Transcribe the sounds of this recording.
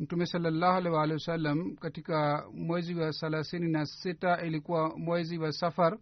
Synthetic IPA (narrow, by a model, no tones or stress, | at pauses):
m̩tumɛsalːalːaːhualɛwaːlɛwasalːamkatikamwɛziwasalasininasitaʔilikuwamwɛziwasafaɾ